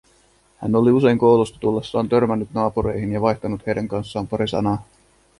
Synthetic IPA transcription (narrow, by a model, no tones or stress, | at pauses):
hæ̰nːo̞liuse̞jŋko̞wlust̪ɑ̥t̪ulːesːɑːnt̪ø̞rmænːyt̪nɑːpuɾe̞jɦinjɑʋɑjçt̪ɑnut̪hejdæŋkɑnsːɑːmpɑɾisɑ̰nɑː